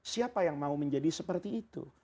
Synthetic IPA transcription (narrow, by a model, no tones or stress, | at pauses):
siapajaŋmauməɲd͡ʒadisəpərt̪iːt̪ṵ